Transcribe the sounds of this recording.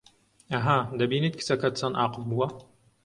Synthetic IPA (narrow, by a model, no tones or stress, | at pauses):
ɐɦad̪ɐbiːniːt̪̚kʰɨ̥sɐkɐt̪t͡saːnʔaːqɨfbuwɐ